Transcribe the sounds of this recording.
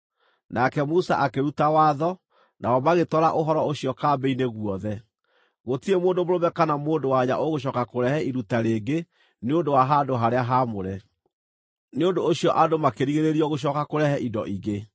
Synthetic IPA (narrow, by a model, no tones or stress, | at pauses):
nʔakɛmusa̰ʔakeɾutawaːðɔ | nʔaɔmaɣetɔɾaʔoɦɔɾɔoɕiɔkaːbɛineɣwɔðɛ | ɣotiemoːndomoɾomɛkanamoːndowaɲa̰ʔoɣoɕ̬ɔkakoɾɛhɛiɾutaɾeːɡe | neondowaɦadoɦaɾeaɦamoɾɛ | neondoːɕiɔʔadomakeɾiɣeɾeɾiɔɣoɕ̬ɔːkakoɾɛhɛʔidɔ̰ʔiɣe